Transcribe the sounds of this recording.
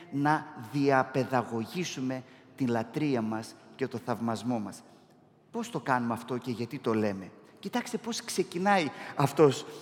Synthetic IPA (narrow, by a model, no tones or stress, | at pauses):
nɐðiɐpe̞ðɐɣo̞ʝisume̞t̪inlɐt̪ɾiɐmɐsce̞t̪o̞θɐvmɐzmo̞mɐs | po̞st̪o̞kɐnumɐft̪o̞ce̞ʝɐt̪it̪o̞le̞me̞ | cit̪ɐkst̪e̞po̞skse̞cinɐiɐft̪o̞s